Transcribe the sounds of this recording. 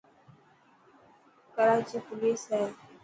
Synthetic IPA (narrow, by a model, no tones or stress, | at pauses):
kəɾaːt͡ʃiːpʊliːsɦɛː